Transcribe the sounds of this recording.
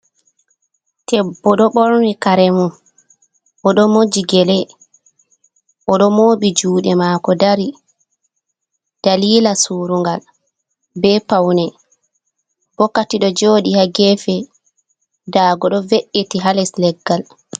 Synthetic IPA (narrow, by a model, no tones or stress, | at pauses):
tɛbːɔɗɔɓɔɾnikaɾɛmu | ʔɔɗɔmod͡ʒiɡɛlɛ | ʔɔɗɔmoːɓid͡ʒuːɗɛmakɔdaɾi | d̥aliːlasuːɾuŋɡal | bɛpawnɛ | b̥ɔkːatiɗɔd͡ʒoːɗihaɡɛfɛ | daːɡɔɗɔveʔːetiɦalɛslɛɡːal